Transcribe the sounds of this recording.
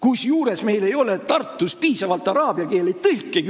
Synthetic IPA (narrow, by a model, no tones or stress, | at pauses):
kusjuːɾe̞sme̞jle̞jo̞let̪ɑrt̪ːˑuspiːsɑvɑlt̪ːˑɑɾɑːb̥jɑke̞ːlet̪ɯlkːˑek